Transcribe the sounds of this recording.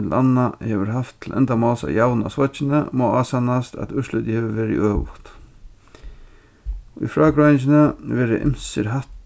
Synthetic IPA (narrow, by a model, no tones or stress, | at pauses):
t̪l̩ʔanːahɛːʋəɾɦaft̪ʰːl̩ʔɛ̰nt̪amaːlsa̰jawna̰sʋat͡ʃɪnəmɔːaːsanast̪a̰t̪ʏʂlʏt̪ɪhɛːʋəʋeːɾɪ̰ʔøːʋʊ̰t̪ | ɔḭfɾaːkɾajɪnt͡ʃɪnəʋɛːɾəʔɪ̰msəɾɦat̪